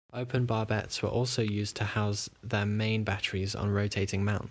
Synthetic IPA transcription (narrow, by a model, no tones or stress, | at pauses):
ʔəʊpʰə̃nbɑːbɛ̰tswə̰ʔɔˑlˠsəʊjʉːztʰəhaʊzðəmẽɪ̃nbatəɹizn̩ɹəʊtʰeɪtʰɪ̃ŋmãʊ̃n